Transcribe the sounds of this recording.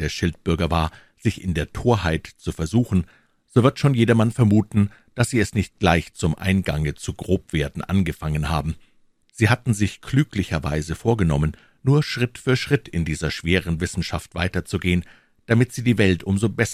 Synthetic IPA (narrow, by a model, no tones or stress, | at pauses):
eːɐʃɪlt̚b̥ʏɐɡɐvaːɐ | z̥ɪçɪ̰ndeːɐtʰoːɐhaɪtt͡sufɛɐzuːxn̩ | z̥oːvɪɐtʃoːnjeːɾɐmanfɛɐmuːtn̩ | d̥asz̥iːɛsnɪçt̚ɡ̥laɪçt͡sʊmʔa̰ɪnɡaŋət͡suɡʁoːpv̥eːɐdn̩ʔa̰nɡəfaŋənhaːbm̩ | z̥iːhatn̩zɪçklyːklɪçɐva̰ɪzəfoːɐɡənɔmən | nuːɐʃʁ̥ɪtfyːɐʃʁ̥ɪtʰɪndiːzɐʃv̥eːʁ̞ənvɪsn̩ʃaftv̥aɪtɐt͡suɡeːən | d̥amɪtz̥iːdiːvɛltʔʊmzobɛs